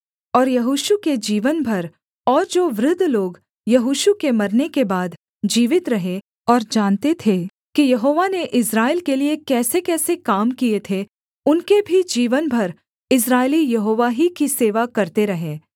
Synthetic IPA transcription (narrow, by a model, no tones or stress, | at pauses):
ɔːɾjɐɦuːʃuked͡ʒiːʋənbʱɐɾ | ɔːɾd͡ʒoːʋɾɪd̪ʱːloːɡ | jɐɦuːʃukemɐɾnekebaːd̪ | d͡ʒiːʋɪt̪ɾɐɦe | ɔːɾd͡ʒaːnt̪et̪ʰe | kijɐɦoːʋaneʔɪsɾaːɪlkeliekɛːsekɛːsekaːmkiet̪ʰe | ʊnkebʱid͡ʒiːʋənbʱɐɾ | ɪs̬ɾaːɪlijɐɦoːʋaɦikiseːʋakɐɾt̪eɾɐɦẽː